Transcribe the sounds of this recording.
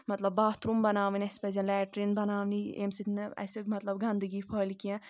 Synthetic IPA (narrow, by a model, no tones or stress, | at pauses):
mɐt̪lɐbːaːt̪ɾumbɐnaːʋinʲiɐspɐzʲɐ̃lɛːʈɾinbɐnaːʋniḛmsit̪ʰnɐ̰simɐt̪lɐbɡɐnd̪ɨɡipʰəːlikiɛ̃